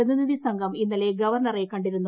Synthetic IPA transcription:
ɐðiniðisɐŋɡʱɐminːɐleɡɐʋɐrɳɐrekɐɳɖiɾunːu

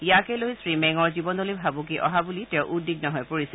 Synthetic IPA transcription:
ijakɛlojsɹimɛŋɔɹzibɔnɔlibʱabukiʔɔ̰ɦabulitɛ̃ʊʔudiɡ̚nɔɦɔjpoɹis

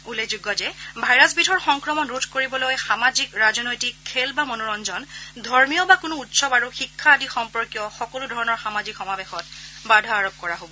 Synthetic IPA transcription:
ulezuɡɔzɛbʱajɹasbitʰɔɹxɔŋkɹɔmɔnɹutʰkoɹibɔlojxamazikɹazɔnojtikʰːelbamonoɹɔnd͡ʒɔndʱɔɹmijɔbakʊnʊutsɔbaɹuxikʰːaːdixɔmpɔɹkjɔxɔkɔlʊdʱɔɹɔnɔɹxamazikxɔmabexɔt̚badʱaaɹob̚kɔɹaɦobɔ

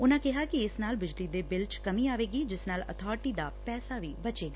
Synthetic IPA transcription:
ʊnãːkɪɦaːkiɪsnaːlbɪd͡ʒliːd̪eːbɪlt͡ʃkəmĩːaːʋeːɡiːd͡ʒɪsnaːlə̰t̪ʰaːɾʈiːd̪aːpɛːsaːʋiːbət͡ʃeːɡaː

